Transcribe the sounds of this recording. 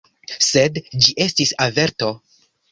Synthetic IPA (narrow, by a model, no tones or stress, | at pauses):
se̞dd͡ʒiʔe̞stisave̞ɾto̞